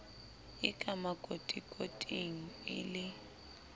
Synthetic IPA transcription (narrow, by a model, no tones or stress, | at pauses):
ɪkʼamakʼotʼikʼotʼiŋ̩ɪ̰lɪ